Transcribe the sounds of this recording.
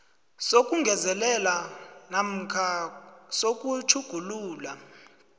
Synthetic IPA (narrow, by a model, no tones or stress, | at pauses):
sok̬ʼuŋʱɛzɛlɛlanam̩kʰasok̬ʼutʰuɡ̥ʱuluːla